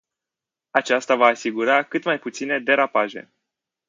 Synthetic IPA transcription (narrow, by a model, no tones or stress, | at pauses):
at͡ʃast̪avaːsiɡuɾakɨt̪majput̪sine̞d̪e̞ɾapaʒe̞̰